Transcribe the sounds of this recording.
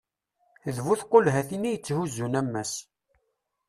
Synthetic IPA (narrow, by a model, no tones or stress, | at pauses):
əðvuθqːolɦæθinijət͡sːhuzunæmːæs